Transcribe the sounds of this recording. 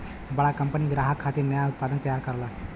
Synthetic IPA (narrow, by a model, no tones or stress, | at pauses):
bəɭakəmpəniːɡɾaɦakʰːat̪iːɾnjajaut̪̚pad̪ənt̪əjaɾkəɾla